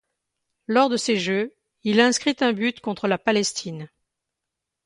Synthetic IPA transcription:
lɔʁd̪əseʒø | ilaɛ̃skχit̪ɛ̃byt̪kɔ̃t̪χəlapalɛst̪ʰin

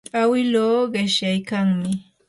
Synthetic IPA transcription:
awɪloːɢɪʃjajkaŋmɪ

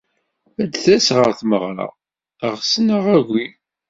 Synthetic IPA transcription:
æd̪θæsʁəɾθməʁɾɑ̰ | əʁsənəʁæʝʷi

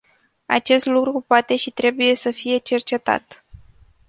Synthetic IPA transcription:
a̰t͡ʃe̞st̪lukɾupoat̪e̞ʃit̪ɾe̞buje̞səfije̞t͡ʃe̞rt͡ʃe̞t̪a̰t̪

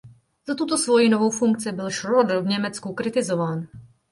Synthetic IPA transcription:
z̥at̪ut̪osvojinovo̞wfuŋkt͡sɪbɪlʃɾod̪vɲɛmɛt͡skukɾɪt̪ɪzovaːn

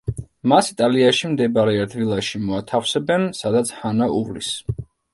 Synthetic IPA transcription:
masit̪ʼaliaʃimd̪ɛbaɾɛad̪vilˠaʃimɔat̪ʰafsɛbɛnsad̪at̪sʰhanaṵvlḭs

